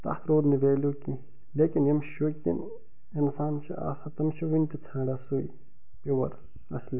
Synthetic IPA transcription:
t̪ɐ̰ht̪ʰɾoːd̪niʋeːluːki | leːkinjɐmʃukḭn | insaːnt͡ʃʰḭʔa̰ːsɐt̪ɐmt͡ʃʰiʋink̪it͡sʰãːɖasui | piwɐɾ | ɐ̰sli

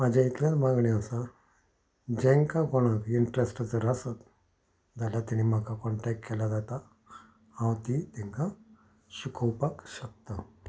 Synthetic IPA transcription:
mad͡ʑait̪lãt͡smaɡɳiasa | d͡ʑɛ̃ŋkakɔɽ̃akiɳʈɾesʈat͡səɾasət̪ | d͡zalat̪añim̤akʰakɔɳʈɛk̚ʈkɛlad͡zat̪a | hãwt̪it̪ɛ̃ŋka | ɕukʰəwpakɕək̚t̪a

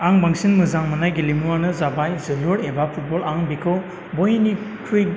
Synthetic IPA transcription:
aŋbaŋsinmɯzaŋmɯnajɡilimuwanɯzabajzɯluɾebapʰut̚bɔlaŋbikʰɯ | bojni | kʰɾi

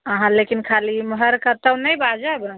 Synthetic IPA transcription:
əɦãlekinkʰaliməɦəɾkət̪əwnəjbad͡ʒabə

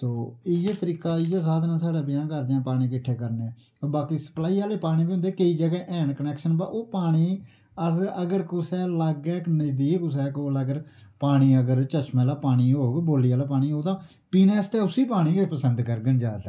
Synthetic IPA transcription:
t̪oːɪjeːt̪əɾiːkaːɪjaːsaːd̪nãːsaːɽaːbɪjãːkəɾd͡ʒãːpaːɽ̃iːkɪʈʰːeːkəɾneː | oːbaːkiːsə̥plaːiːaːleːpaːɽ̃iːbiːʊ̃nd̪eːkəiːd͡ʒəɡɛːʔɛːɳkənɛːkʃənbaːʔoːpaːɽ̃iː | əsəɡəɾkʊsɛːləɡɛːknəd̪iːkʊs̬ɛːkoːləɡəɾpaːɽ̃iːəɡəɾt͡ʃət͡ʃmɛːlaːpaːɽ̃iːɦoːɡboːliːaːlaːpaːɽ̃iːɦoːd̪ãː | piːnɛːst̪eːʊsiːpaːɽ̃iːɡepəsənd̪kəɾɡənd͡ʒaːd̪t̪ɛ

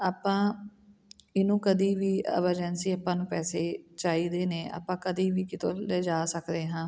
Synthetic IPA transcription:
aːpãː | ɪnũːkəd̪iːʋiːə̰ʋəɾd͡ʒɛːnsiːaːpːãːnũːpɛːseːt͡ʃaːiːd̪eːneːa̰ːpãːkəd̪iːʋiːkɪt̪ʰoːleːd͡ʒaːsəkd̪eːɦãː

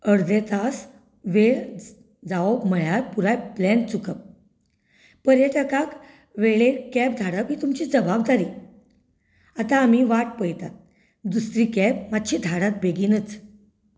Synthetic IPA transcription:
əɽd̪et̪as | ʋeɭ | d͡zaobməjaɾpuɾajplɛnt͡sukəp̚ | pəɾjəʈəkak | ʋeɭekɛb̚d̪ʱaɽəbɦiːt̪umt͡ɕiːd͡zəbabd̪aɾiː | at̪ãːm̤iʋaʈ̚pəjt̪at̪̚ | d̪usɾiːkɛb̚mad̪ɕiːd̪ʱaɽat̪̚bʱeɡinət͡s

